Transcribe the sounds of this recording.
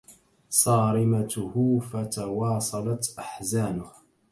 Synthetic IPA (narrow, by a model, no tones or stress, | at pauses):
sˤɑːɾɪmat̪ʊhʊfat̪awɑːsˤɑlɑt̪ʔaħzaːnʊh